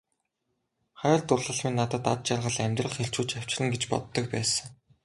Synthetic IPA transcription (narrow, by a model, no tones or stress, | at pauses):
χæːɮt̪ʊɮə̆ɮmiːnːat̪ə̆t̪at̪̚t͡ɕarʁə̆ɮæmʲt̪rə̆χxeɬt͡ɕuːt͡ɕaw̥t͡ɕrə̆ŋɡet͡ɕpɔ̰t̪ːɞ̆k̚pæːsə̆ŋ